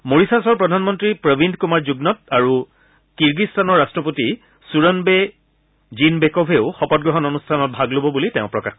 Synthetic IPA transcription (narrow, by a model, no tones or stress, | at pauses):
moɹisasɔɹpɹɔdʱanmɔntɹipɹəbʱindʱkumaɹzuɡnɔt̚aɹu | kiɹɡistʰanɔɹːastɹɔpoti | suɹɔnbe | zinbekɔbʱeʊxɔpɔt̚ɡɹɔɦɔnonustʰanɔt̚bʱaɡlobɔbulitɛʊ̃pɹɔkax